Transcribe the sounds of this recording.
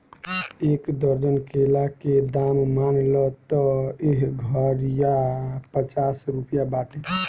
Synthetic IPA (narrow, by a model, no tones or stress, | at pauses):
ekd̪əɾd͡ʒənkelaked̪ammanlɔt̪ɔeɦɡʱəɾjapət͡ʃasɾupjabaʈe